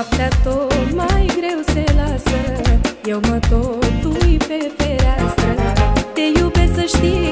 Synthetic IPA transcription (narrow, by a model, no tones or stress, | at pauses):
aplat̪omaiɡɾewselasəjewmat̪ot̪uipefeɾasət̪ejubet͡səɕʈ̪i